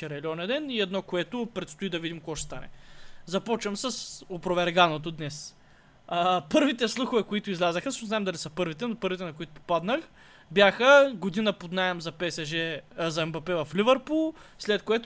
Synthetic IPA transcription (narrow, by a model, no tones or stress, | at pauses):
ɛɾɛlʲiɔnɛd̪ɛniɛd̪nɔkoɛt̪ʊpɾɛt̪st̪ʊid̪ɐvid̪ʲimkoɡɔʃɛ̥st̪anɛ̰zɐpɔt͡ʃvɐmsɐsopɾovɛɾɡanot̪̬od̪nɛs | əpɤɾvit̪ɛslˠuxʊvɛkʊit̪ʊizlʲazəxəsəʃnznaɛmd̪ɐlisəpɤɾvit̪ɛnopɤɾvit̪ɛnɐkʊit̪ʊ̥pad̪nəx | bjaxəɡʊd̪inəpod̪naɛmzɐpɛsɛʒɛzɐɛmbɐpɛvɐflʲivɛɾpulˠslɛt̪koɛt̪